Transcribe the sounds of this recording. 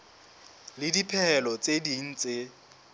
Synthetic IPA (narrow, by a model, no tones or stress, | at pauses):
lɪdipʰɛɛlɔt͡sʼediŋ̩t͡sʼe